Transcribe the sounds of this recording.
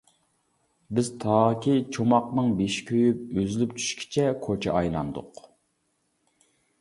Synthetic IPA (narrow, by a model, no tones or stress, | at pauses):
bɪz̥t̪ʰɑːkʲit͡ʃʰomɑqnɨŋbeʃkʲʰøjyp̚øzylypt͡ʃʰy̥ʃkʲʰi̥t͡ʃʰɛkʰot͡ʃʰɛʔɑjlˠɑ̰nd̪ʊ̰q